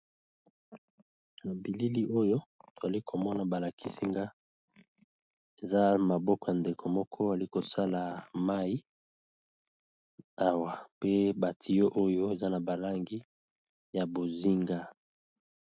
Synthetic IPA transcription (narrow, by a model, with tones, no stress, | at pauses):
na˨bi˨li˦li˦ʔo˦jo˦to˨a˨li˦kʰo˨mɔ˦na˨ba˨la˨kʰi˦si˦ŋɡa˦ | e˨za˦ma˨bɔ˦kɔ˨ja˨nde˨kʰo˨mɔ˦kʰɔ˦a˨li˦ko˨sa˦la˨ma˦i˦ | a˦wa˨pe˦ba˨tʰi˨jo˦ʔo˦jo˦e˨za˦na˨ba˨la˦ŋɡi˦ | ja˨bo˨zi˦ŋɡa˦